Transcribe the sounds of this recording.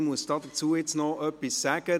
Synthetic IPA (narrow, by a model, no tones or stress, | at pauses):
muəsd̥ɑːdət͡suːɪt͡snɔœpisːæɡ̥ə